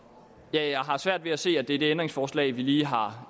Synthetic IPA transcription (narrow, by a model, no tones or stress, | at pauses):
jæɦɑ̈sʋæɐ̰d̥ʋe̝æse̝̰ːæd̥e̝æɐd̥e̝end̥ʁeŋsfɒːslɛ̰ɪʋiliːɦɑ̈